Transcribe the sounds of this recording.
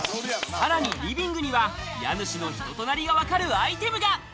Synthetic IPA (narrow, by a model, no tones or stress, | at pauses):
saɾaɲ̟iɾʲibʲĩŋɡɯɲ̟iβa | ja̰nɯ̟ɕino̞çi̥t̪o̞t̪o̞naɾʲiɡaβakaɾɯ̟ait̪e̞mɯ̟ɡa